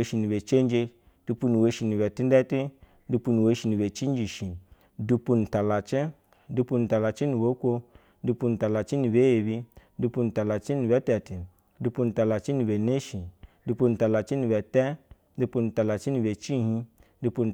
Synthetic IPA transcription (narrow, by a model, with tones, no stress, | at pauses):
e˧˦ʃi˧ni˨be˨t͡ʃe˦n˦d͡ʒe˧ | du˧pu˧nu˨we˨˧ʃi˧˨ni˨bɛ˨ti˦n˦dɛ˦ti˦ | du˧pu˧nu˨we˧ʃi˧ni˨be˨t͡ʃi˦n˦d͡ʒi˨ʃi˨ | du˧pu˧ni˨ta˨la˨t͡ʃi˦ | du˧pu˧ni˨ta˨la˨t͡ʃi˦ni˨bo˨˦kʷo˧ | du˧pu˧n̩˨ta˨la˨t͡ʃi˦ni˨be˨˦je˨bi˧˦du˧pu˧ni˨ta˨la˨t͡ʃi˦nu˨bɛ˨˦tɛ˨ti˨˦ | du˧pu˧n̩i˨ta˨la˨t͡ʃi˦ni˧be˨ne˦ʃi˨˦ | du˧pu˧ni˨ta˨la˨t͡ʃi˦ni˨bɛ˨tɛ˦ | du˧pu˧nu˨ta˨la˨t͡ʃi˦ni˧˨be˨t͡ʃi˦˨ɦi˧˦ | du˧pu˧n˨